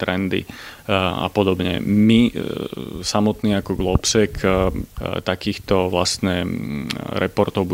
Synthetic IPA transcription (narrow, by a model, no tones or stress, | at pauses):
t̪ɾɛnd̪ḭ | a̰pɔd̪ɔbɲɛ̰mi | samɔt̪niːakɔɡlɔpsɛkʰ | t̪akiːxt̪ɔʋlast̪nɛ | ɾɛpɔɾt̪ɔʊbu